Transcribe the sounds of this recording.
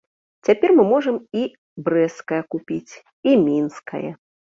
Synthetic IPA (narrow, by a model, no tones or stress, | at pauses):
t͡sʲapʲɛrmɨmɔʐɐmi | bɾɛskɐjɐkupʲit͡sʲ | imʲinskʰɐ̰jɐ̰